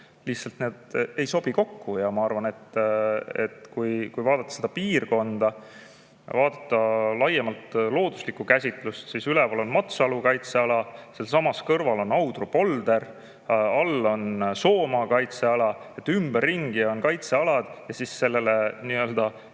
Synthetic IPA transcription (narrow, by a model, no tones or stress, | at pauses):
lihtsɑlt̪neːd̪̥e̞jso̞b̥iko̞kːujɑmɑɑrvɑne̞t̪ː | e̞̰t̪kujkujvɑːd̪ɑt̪ːɑ̥sed̪̥ɑpiːrko̞nd̪̥ɑ | vɑːd̪̥ɑt̪ːˑɑlɑjemɑlt̪lo̞ːd̪̥uslikːˑukæsʲit̪ˑlust̪sisylɛpɑlo̞nmɑt̪sɑlukɑjt̪se̞ɑlɑselsɑmɑskɤrvɑlo̞nɑwd̪̥rupo̞ld̪e̞ɾ | ɑlːo̞nso̞ːmɑkɑjt̪se̞ɑlɑ | et̪ːymb̥erːiŋɡ̥io̞nkɑjt̪se̞ɑlɑd̪̥jɑsisːe̞lːe̞leniːø̞ld̪̥ɑ